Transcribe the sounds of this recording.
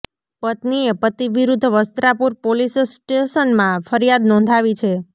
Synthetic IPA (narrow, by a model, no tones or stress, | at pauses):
pət̪niepət̪iʋiɾud̪ʱːəʋəst̪ɾapuɾpolissʈeʃənmãfʰəɾijad̪nɔ̃nd̪ʱaʋit͡ʃʰe